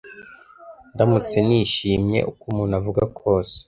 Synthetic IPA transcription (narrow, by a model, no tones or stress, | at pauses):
ndamut͡se̞niʃiːmɲe̞̰ʔukumuːnavuɡakʰo̞ːse̥